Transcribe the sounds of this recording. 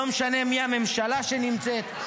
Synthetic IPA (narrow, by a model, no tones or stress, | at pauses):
omeʃane̞miame̞mʃalaʃenimt͡set̪